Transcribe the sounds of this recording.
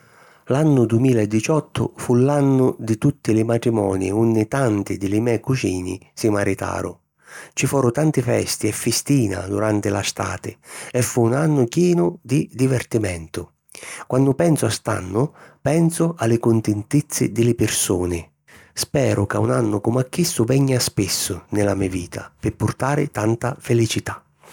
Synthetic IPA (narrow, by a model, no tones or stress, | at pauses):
lanːʊd̪umiːlaɛd̪ːit͡ʃɔt̪ʰːʊ̰fulanːʊd̪ɪt̪ut̪ːɪlɪmat̪ɾimɔ̰ːniunːɪt̪ant̪ɪd̪ɪlɪmɛkut͡ʃiːnḭsimaɾit̪a̰ːɾʊ̰ | t͡ʃifɔːɾʊt̪ant̪ɪfɛ̰st̪iɛfːɪst̪iːna̰d̪uɾant̪ɪlast̪a̰ːt̪ɪɛfːuːnanːʊkjɛːnʊd̪id̪ivɛrt̪imɛnt̪ʊ | kwanːʊpɛnsʊast̪a̰nːʊpɛnsʊalːɪkʊnt̪ɪnt̪it̪sːɪ̰d̪ɪlɪpɪrsuːnɪ | spɛːɾʔʊkaunanːʊkumakːisːʊvɛɲːaspɪsːʊnɪlamiaviːt̪ʰapɪpːʊrt̪aːɾɪ̰t̪ant̪afɪlit͡ʃit̪ḁ